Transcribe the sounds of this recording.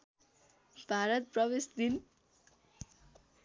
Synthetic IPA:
b̥ʱaɾʌt̪̚prʌbesd̪in

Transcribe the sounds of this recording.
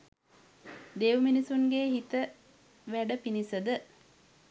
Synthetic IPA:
d̪eʋminisuŋɡeːɦit̪ə | ʋæɖəpinisəd̪ə

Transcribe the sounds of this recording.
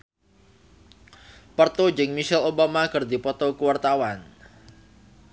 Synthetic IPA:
pərt̪od͡ʒɪŋmiʃɛlobamakɨrd̪ipɔt̪okuwart̪awan

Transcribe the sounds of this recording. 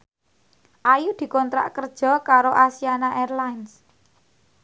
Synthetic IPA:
ʔajud̪̥i̤kɔnt̪ɾa̰ʔkərd̥ʒ̥ɔ̤kaɾoʔasianaʔerlajns

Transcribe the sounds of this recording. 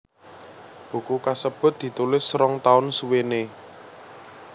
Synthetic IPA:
b̥ṳkukasəb̥ʊ̤t̪̚d̪̥i̤t̪ulɪsɾɔŋt̪aʊnsuwene

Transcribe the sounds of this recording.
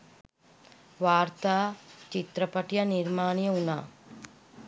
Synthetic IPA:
ʋaːɾt̪aːt͡ʃit̪ɾɐpɐʈjɐniɾmaːɳjɐunaː

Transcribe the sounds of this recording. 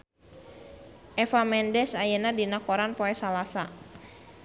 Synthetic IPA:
ʔɛfamɛndɛsajenadinakoɾanpɔɛsalasa

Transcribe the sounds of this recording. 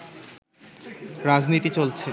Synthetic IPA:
ɾad͡ʑnit̪it͡ɕolt͡ɕʰe

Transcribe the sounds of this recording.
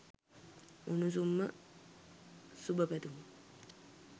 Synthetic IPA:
unus̬umːə̰ | subəpæt̪um

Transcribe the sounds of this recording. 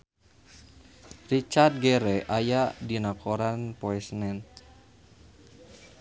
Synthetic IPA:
rit͡ʃard̪̚ɡɛɾɛʔajadinakoɾanpoɛsnɛnt̪̚

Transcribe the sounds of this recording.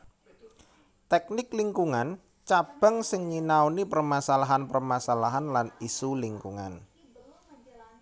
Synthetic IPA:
t̪ɛk̚nɪkliŋkuŋan | t͡ʃab̥ə̤ŋsɪŋɲinawnipərmasalaɦanpərmasalaɦanlanisuliŋkṵŋa̰n

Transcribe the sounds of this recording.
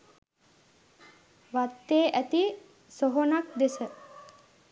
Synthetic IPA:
ʋat̪ːeːʔæt̪i | soɦonak̚d̪esə

